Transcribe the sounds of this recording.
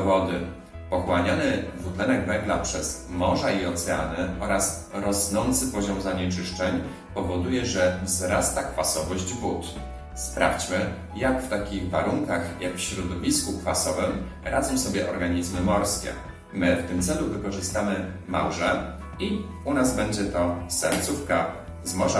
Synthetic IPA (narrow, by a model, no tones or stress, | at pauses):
vɔd̪ɘ | pɔxwaɲɔnɘvut̪lɛnɛɡvɛŋɡlapʂɛz̥mɔʐaiɔt̪sɛa̰nɘɔɾas | ɾɔsnɔnt̪sɘpɔʑamzaɲɛt͡ʂɘʂt͡ʂɛɲ | pɔvɔd̪ujɛʐɛvzɾast̪akfasɔvɔʑd͡ʑvut̪ | spɾa̰fʲt͡ɕmɘ | jakft̪akʲiɣvaɾuŋkaxjakfɕɾɔd̪ɔvʲiskukfasɔvɛm | ɾʔad̪zɔmsɔbʲjɛʔɔɾɡaɲizmɘmɔɾskʲɛ̰ | mɘft̪ɘmt̪sɛluvɘkɔʐɘst̪amɘma̰wʐɛ | i | unazbɛɲd͡ʑɛt̪ɔsɛɾt̪sufka | zmɔʐa